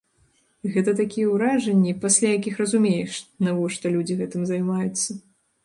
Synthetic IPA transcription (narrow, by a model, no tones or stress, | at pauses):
ɣɛt̪ɐt̪akʲijɛwɾaʐɐnʲːipasʲlʲajakʲixrɐzumʲejɛʂnavɔʂt̪ɔlʲud͡zʲiɣɛt̪ɨmzɐjmajut̪sːɐ